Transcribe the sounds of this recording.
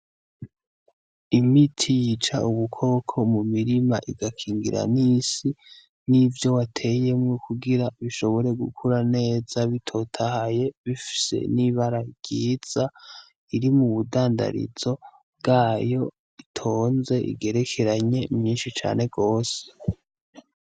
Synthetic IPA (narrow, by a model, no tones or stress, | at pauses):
imitʰijit͡ʃaʔuβukʰo̞ːkʰo̞mumiɾimaʔiɡakʰiːŋɡiɾa̰nisi | nivjo̞watʰe̞je̞mŋukʰuɡiɾaβiʃo̞βo̞ɾe̞ɡṵkʰuɾane̞ːz̥aβitʰo̞tʰahaje̞βifi̥se̞̰niβaɾaiɡ̥iːz̥a | iɾimuβudaːnda̰ɾḭz̥o̞ | βbɡaːjo̞ | itʰo̞ːnze̞ʔḭɡe̞ɾe̞kʰe̞ɾaɲe̞mɲiːnʃit͡ʃa̰ːne̞ɡo̞ːse̥